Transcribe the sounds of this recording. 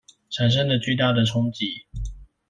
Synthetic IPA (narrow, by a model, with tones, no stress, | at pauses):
ʈ͡ʂʰa˨˩nʂ̬ə˥ŋlə˨t͡ɕy˥˧t̪a˥˩d̪ə˨ʈ͡ʂʰʊ˥ŋt͡ɕi˨˩˦